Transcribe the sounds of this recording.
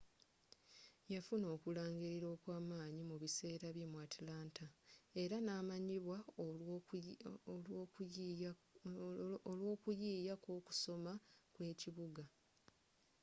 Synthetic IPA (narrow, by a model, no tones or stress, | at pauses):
jafuno̞ːkulaːŋɡiɾiɾo̞ːkwaːmaːɲimuβise̞ːɾaβjemwatilaːntae̞ɾanaːmaɲiβwa | lwo̞ːkujiːjako̞ːku̥so̞makwe̞ːciβuɡa